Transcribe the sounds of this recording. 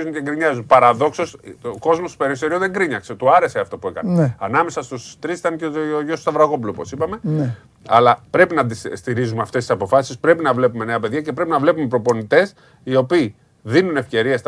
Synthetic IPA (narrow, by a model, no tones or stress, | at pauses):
zunceŋɡɾiɲɐzunpɐɾɐðo̞kso̞sko̞zmo̞st̪o̥pe̞ɾis̬oɾiuðe̞ŋɡɾiɲɐkse̞t̪uɐɾe̞seɐft̪opue̞kɐ̰neɐnɐme̞sɐst̪ust̪ɾist̪ɐnceʝosst̪ɐvɾɐɣo̞p̬uloopo̞sipɐme̞ | ɐ̰lɐpɾe̞pinɐt̪isst̪iɾizumeɐft̪est̪isɐpo̞fɐsi̥spɾe̞pinɐvle̞pume̞ne̞ɐpe̞ðʝɐce̞pɾe̞pinɐvle̞pume̞pɾo̞po̞nit̪e̞s | io̞piː | ðinune̞fce̞ɾiest̪